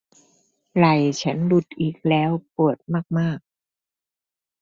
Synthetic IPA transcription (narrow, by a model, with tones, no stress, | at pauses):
la˨˩jt͡ɕʰa˦˥nlu˦˥t̪̚ʔiː˨˩k̚lɛː˦˥wpu˨˩ət̪̚maː˥˩k̚maː˥˩k̚